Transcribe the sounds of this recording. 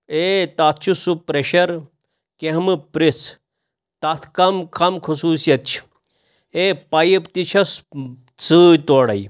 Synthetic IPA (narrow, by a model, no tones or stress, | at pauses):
et̪at̪̚ʰt͡ʃʰusupɾeɕɐɾ | keɦmɨpɾit͡s | t̪at̪ʰkɐmkʰɐmkʰusuːsjɐt̪t͡ʃʰ | eːpɐjipt̪it͡ʃʰɐs | t͡sɨːjt̪oːɽɐ̰j